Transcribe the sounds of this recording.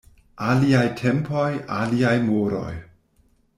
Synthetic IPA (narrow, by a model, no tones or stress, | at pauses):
aliajtʰempo̞jaliajmoɾo̞̰j